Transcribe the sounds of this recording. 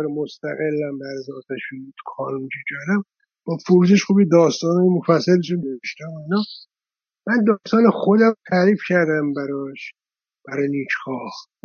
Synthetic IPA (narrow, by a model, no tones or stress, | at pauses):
ɾemost̪æ̰ɣelːæmbæɾzɒːt̪ʰæʃuut̪xʰɒːnund͡ʒid͡ʒɒɾæm | b̥ɒːfoɾud͡ʒeʃxuːbid̪ɒːst̪ɒːnɒːjemofæsːæliʃuneveʃt̪æmoinɒː | mænd̪ɒːst̪ɒːnexo̞d̪æmt̪ʰæɾiːfcʰæɾd̪æmbæɾɒʃ | b̥æɾɒːjniːt͡ʃʰhɒːh